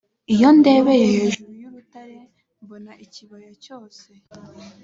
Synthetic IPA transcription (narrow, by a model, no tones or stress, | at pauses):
ijo̞nde̞ːβejeheːʒuɾujuβutaɾe | mbonaʔiciβojocoːse